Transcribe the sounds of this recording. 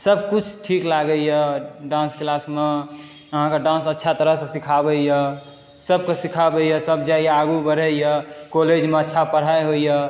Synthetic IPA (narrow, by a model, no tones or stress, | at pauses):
səb̚kut͡ʃʰʈʰiklaɡəjɛɖãnsklasme | əɦãkeɖãnsətːʃʰat̪əɾəɦsesikʰabəjə | səbkesikʰabəjəsəbd͡ʒaijeaɡubəɽ̤əjəkoled͡ʒmeətːʃʰapəɽ̤ajɦoijə